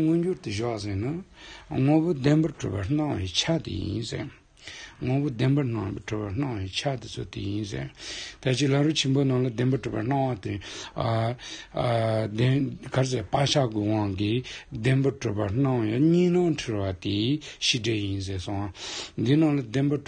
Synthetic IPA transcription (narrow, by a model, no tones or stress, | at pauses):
ŋønd͡ʑort̪əʑɔs̬enaŋopod̪enbaʈ͡ʂo̰pḁɑŋwḛt͡ɕʰat̪ḭjḭnsḛ | ŋopod̪enban̥ɑŋʈ͡ʂopahɑŋwet͡ɕʰat̪it͡sʰo̰t̪ḛjinsḛt̪at͡ɕilaruʔt͡ɕʰenbonɑŋlad̪enbaʈ͡ʂupan̥ɑŋwat̪e | d̪ekaes̬apaɕʰaɡowɑŋkid̪enbaʈ͡ʂopan̥ɑŋeɲinɑŋʈ͡ʂʰiwat̪iɕiɖ͡ʐejins̬esoŋwand̪inɑŋlad̪enba